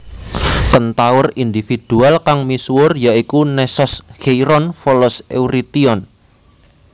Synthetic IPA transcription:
t̪ənt̪awʊrind̪ifid̪̥ṳalkaŋmisuwʊrjaikunɛsɔshejɾɔnfɔlɔsewɾit̪iɔn

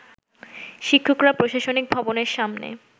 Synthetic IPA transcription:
ʃikʰːokɾapɾoʃaʃonik̚bʱɔboneɾʃamnḛ

